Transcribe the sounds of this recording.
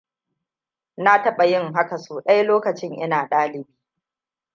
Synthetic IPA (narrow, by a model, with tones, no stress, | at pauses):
na˦tɐ˦ɓɐ˨jɪ˦ŋɦa˦ka˨soː˨ɗɐ˦jloː˦kɐ˨t͡ʃɪ˦ŋʔɪ˦naː˨ɗaː˦lɪ˨biː˦